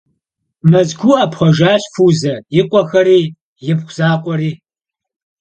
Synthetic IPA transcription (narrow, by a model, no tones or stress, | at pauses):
mɐzɡʷuːɐːpχʷɔʒaːɕfuːzɐjɪqʷʼɔxɐɾiː | jɪpχʷz̥aːqʷʼɔɾiː